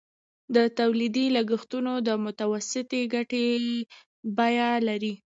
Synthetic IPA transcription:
d̪ət̪awlid̪ilaɡixt̪unod̪əmʊt̪awasɪt̪eɡaʈe | bajalaɾi

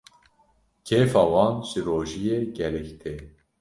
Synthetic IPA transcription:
kʰeːfɑːwɑːnʒɨɾoːʒijeːɡɛlɛkt̪ʰeː

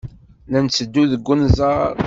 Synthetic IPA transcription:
nænt͡sːəd̪ːuðəɡːənzˤɑ

